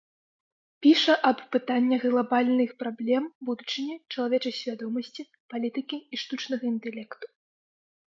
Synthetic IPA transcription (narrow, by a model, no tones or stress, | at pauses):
pʲiʂɐʔɐpːɨt̪anʲːɐɣlˠabalʲnɨxpɾablʲɛmbud̪ut͡ʂɨnʲɛt͡ʂɐlˠavʲɛt͡ʂɐjsʲvʲad̪ɔmɐsʲt͡sʲi | palʲit̪ɨkʲiiʂt̪ut͡ʂnɐɣɐint̪ɛlʲɛkt̪u̥